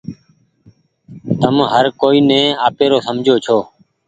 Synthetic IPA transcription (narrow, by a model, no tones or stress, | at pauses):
t̪əmɦəɾkoːiːnẽːaːpeːɾoːsəmd͡ʒʱoːt͡ʃʰoː